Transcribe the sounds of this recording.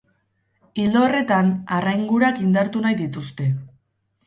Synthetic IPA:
ild̪ore̞t̪anarajŋɡuɾakind̪aɾt̪unajðit̪ust̪e̞

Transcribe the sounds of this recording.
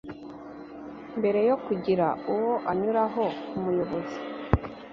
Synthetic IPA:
mbe̞ɾe̞jo̞kuɟiɾauwoʔaɲuɾaɦo̞umujo̞βo̞zi

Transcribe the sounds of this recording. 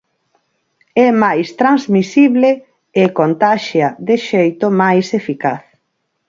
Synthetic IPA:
ɛmajst̪ɾanzmisiβle | ɪkont̪aʃjaðɪʃejt̪omajsefikaθ

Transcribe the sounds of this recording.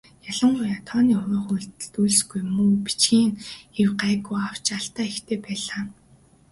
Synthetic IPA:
jaɮə̆ɴɢʊjat̪ʰɔːniːʊɾɔːxujɮt̪̆ɮt̪ujɮ̆sɡujmuːpi̥t͡ɕɡiːŋewɢaːɣujaw̥t͡ɕaɬt̪aːixt̪ʰeːpæːɮaː

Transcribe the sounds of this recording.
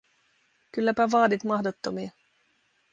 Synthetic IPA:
kylːæpæʋɑːdit̪mɑhdot̪ːomiɑ

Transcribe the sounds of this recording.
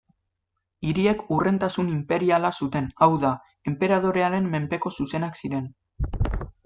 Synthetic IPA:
iɾie̞kure̞nt̪asunimpe̞ɾialasut̪e̞nawða | e̞mpe̞ɾað̞o̞ɾe̞aɾe̞mːe̞mpe̞ko̞suse̞naksiɾe̞n

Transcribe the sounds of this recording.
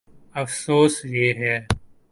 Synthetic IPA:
əfsoːsjeːɦɛː

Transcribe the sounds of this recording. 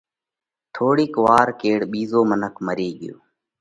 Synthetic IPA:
t̪ʰoːɽiːkʋaːɾkeːɽɓiːzoːmənəkʰməɾeːɠɪjo̰ː

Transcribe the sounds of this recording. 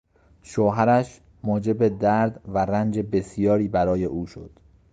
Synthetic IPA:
ʃoɦæɾæʃ | mɒːd͡ʒe̞be̞d̪æɾd̪væɾænd͡ʒe̞be̞sijɒːɾiːbæɾɒːje̞ʔuːʃo̰d̪̥

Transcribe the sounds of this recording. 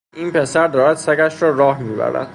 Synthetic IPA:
iːnpʰe̞sæɾd̪ɒːɾæd̪sæɡæʃɾɒːɾɒːhmiːbæ̰ɾæ̰d̪̥

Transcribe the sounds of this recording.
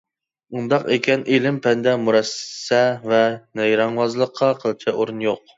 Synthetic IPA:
und̪ɑqekʲɛnelɪmpʰɛnd̪ɛmuɾɛssɛvɛnɛjɾɑŋwɑzlˠəqʰːɑqʰəlˠt͡ʃʰɛʔoɾunjoq̚

